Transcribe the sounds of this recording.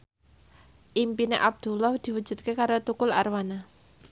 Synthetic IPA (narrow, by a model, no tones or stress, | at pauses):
ʔimpinḛʔab̚d̪̥ṳlɔhd̪̥i̤wu̥d͡ʒṳt̪̚kekaɾot̪ukʊla̰rwana